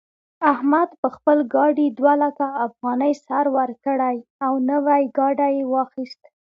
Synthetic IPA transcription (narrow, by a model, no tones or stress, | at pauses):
ahmad̪pəxpəlɡɑɖid̪walakaːfɣɑnəjsaɾwəɾkəɽajawnəwajɡɑɖajewɑxist̪